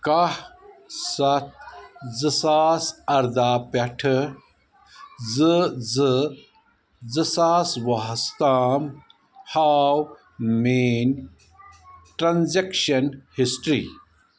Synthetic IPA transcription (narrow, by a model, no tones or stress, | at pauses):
kɐhsɐt̪̚zɨsaːsɐɾd̪aːpɐʈʰɨ | zɨzɨ | zɨsaːsʋɐɦst̪aːm | haːw | meːn | ʈɾɐnzekʃɐnhisʈɾḭː